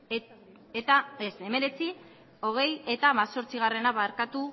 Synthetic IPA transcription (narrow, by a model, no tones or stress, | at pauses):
et̪aese̞me̞ɾe̞t͡si | o̞ɣ̞e̞je̞t̪aːmaso̞ɾt͡siɣ̞are̞naβaɾkat̪u